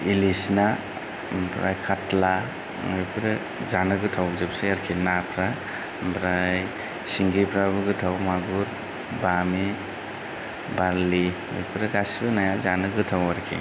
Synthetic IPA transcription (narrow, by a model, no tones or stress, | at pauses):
ilisna | mbʰɾa̰jkʰatla | ŋojpʰɾe | zanɯɡɯtʰawzɯpseaɾkʰinapʰɾa | mbʰɾaj | siŋɡipʰɾaβɯɡɯtʰawmaɡuɾ | bami | baɾliŋɯ̰jpʰɯɾɯɡasibɯnajazanɯɡɯtʰawaɾkʰḭ